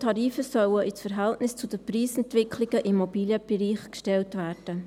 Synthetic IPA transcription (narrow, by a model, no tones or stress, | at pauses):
tʰɑɾiːfəsœwəʔisfəɾɦæltnɪst͡sʊd̥̪əpriːsɛntʋɪkχlɪɡ̥əʔimːobiːljəb̥ɛɾiːχkʃtɛltʋæːrd̥ə